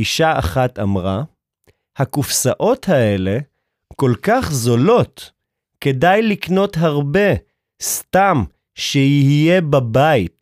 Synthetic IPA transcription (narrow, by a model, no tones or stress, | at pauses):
iʃaa̰χatamʁa | hakufsaʔo̞thae̞le̞ | ko̞lkaχzo̞lo̞t | ke̞dajlikno̞tɦaʁbe̞ | stam | ʃeihije̞babait